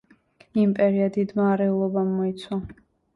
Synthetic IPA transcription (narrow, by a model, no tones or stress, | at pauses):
impʼɛɾiad̪id̪maːɾɛulˠɔbamːɔit̪sʰwa